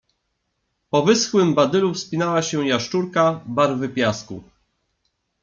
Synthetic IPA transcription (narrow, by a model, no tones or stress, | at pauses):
pɔvɘsxwɘmbad̪ɘlufspʲinawaɕɛ̃jaʂt͡ʂuɾkabaɾvɘpʲjaskṵ